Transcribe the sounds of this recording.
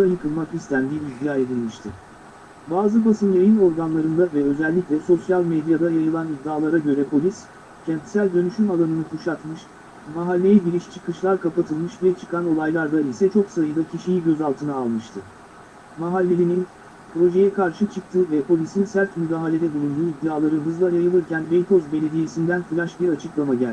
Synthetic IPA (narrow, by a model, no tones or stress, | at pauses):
d̪ajɯkʰɯlˠmakist̪ʰænd̪iːbd̪jaːje̞d̪ʲilʲmiʃt̪ʰɪ | baːzɯbasɯmjʲajino̞ɾɡanlˠaɾɯnd̪avɛø̞zɛlʲːicʲlʲɛso̞sjalʲmed̪jad̪ajajɯlˠanib̚d̪ːaːlˠaɾaɟø̞ɾɛpʰo̞lʲis | cʰɛnt̪sælʲd̪ø̞nyʃymalˠanɯnɯkʰuʃat̪mɯʃ | maɦalʲːe̞jɛɟiɾiʃt͡ʃʰɯ̥kɯʃlˠaɾkapat̪ʰɯlˠmɯʃbijɛt͡ʃʰɯ̥kano̞lˠajlˠaɾd̪aisɛt͡ʃʰoksaɯjd̪acʰiʃijiɟø̞zalˠt̪ʰɯnaːlˠmɯʃt̪ʰɯ | maɦalʲːe̞ɾʲinin | pɾo̞ʒe̞jɛkʰaɾʃɯt͡ʃʰɯk̚t̪ʰɯvɛpʰo̞lʲisinsæɾt̪myd̪aːɦalʲe̞d̪ɛbulʲˠund̪yːid̪ːaːlˠaɾɯnɦɯzlˠajajɯlˠɯɾcʰænbejt̪ʰo̞zbe̞lʲe̞d̪ije̞sind̪ænfɯɾʲˠaʃbiɾat͡ʃʰɯklˠamaɟælʲ